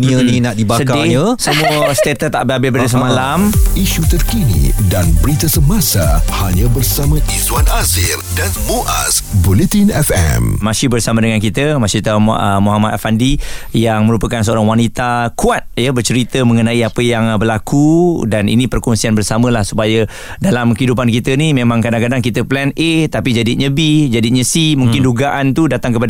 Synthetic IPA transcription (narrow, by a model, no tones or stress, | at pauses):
niəninaʔdibasəkdɪəsəmũəsə̥t̪et̪ət̪aʔbɪabɪbəɾit̪əsəmãlamiʃut̪ərkinḭdanbəɾit̪əsəmasahaɲãbərsamə̃ʔizwanazɪrdanmoʔa̰sbulet̪inɛfɛ̰mmasibərsamãdəŋankit̪əmasit̪amoɦamat̪̚afandijaŋmə̃ɾupəkans̬əoɾaŋwanit̪akuat̪̚jəbərt͡ʃəɾit̪əmə̃ŋənãiapəjaŋbərlakudanḭnĩpərkɔnsianbərsamə̃lahsu̥pajə | dalamkəidup̬ankit̪ənimẽmãŋkadaŋkadaŋkit̪əplɛnʔet̪apid͡ʒadɪt̪̚ɲə̃bid͡ʒadit̪̚ɲəsimũŋkɪnduɡaʔant̪udat̪aŋkəpad